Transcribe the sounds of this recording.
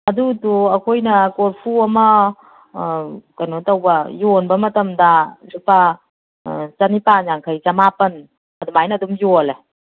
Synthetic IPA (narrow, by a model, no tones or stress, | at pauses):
ɐdutuɐkʰojnɐkoɾpʰuɐmɐ | kɐnotɐwbɐjonbɐmɐtɐmdalupa | t͡ʃɐnipaɲaŋkʰɐjt͡ʃɐmapɐn | ɐdumajnɐdumjole